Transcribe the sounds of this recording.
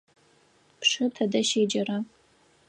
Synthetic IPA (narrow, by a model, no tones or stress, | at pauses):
pʂɨtʰɐdɐʃeːd͡ʒɐɾa